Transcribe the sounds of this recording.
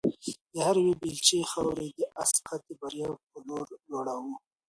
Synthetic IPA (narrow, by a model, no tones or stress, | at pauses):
d̪̥əhaɾwebilt͡ʃexawɾed̪əʔasqat̪ebaɾjɑp̚əloɾloɽawu